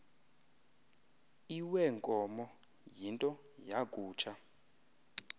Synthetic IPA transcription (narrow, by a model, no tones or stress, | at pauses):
iwɛŋkʼɔmɔ | jintʼɔ | jakʼuːt͡ʃʰa